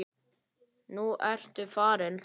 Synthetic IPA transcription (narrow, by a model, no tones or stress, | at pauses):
nuʔɛɾ̥t̪ʏfaːɾɪn